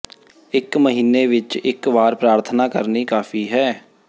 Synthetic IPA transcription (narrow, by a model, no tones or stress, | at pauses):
ɪkməɦiːneːʋɪt͡ʃɪkʋaːɾpɾaːɾt̪ʰnaːkəɾniːkaːpʰiːɦɛː